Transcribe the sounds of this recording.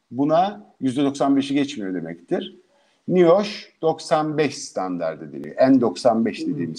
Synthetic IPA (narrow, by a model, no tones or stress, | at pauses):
bunajyzd̪ɛd̪o̞ksanbe̞ʃiɟɛt͡ʃmijod̪e̞mɛct̪ʰiɾ̥ | nijoʃd̪̥o̞ksanbɛʃst̪ʰand̪a̰ɾd̪ed̪ḛmḭʔænd̪o̞ksanbɛʃd̪ed̪iːmiz